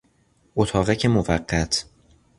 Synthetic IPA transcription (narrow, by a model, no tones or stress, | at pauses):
ʔot̪ʰɒːɣæcʰemovæɢːæt̪ʰ